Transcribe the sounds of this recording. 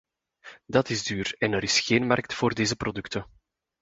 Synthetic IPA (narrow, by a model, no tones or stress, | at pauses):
dɑtɪzdyːrɛnəɾɪsxeːnmɑrk̚tfoːrdeːzəprodʏktən